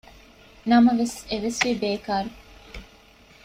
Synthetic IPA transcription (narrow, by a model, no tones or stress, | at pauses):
nɐmɐʋeseʋesʋibeːkaːɾu